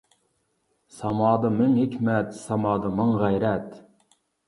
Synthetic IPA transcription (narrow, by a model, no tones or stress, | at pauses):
sɑmɑːd̪ɑmɪŋhɪkʲʰmɛt̪sɑmɑːd̪ɑməŋʁæjɾɛt̪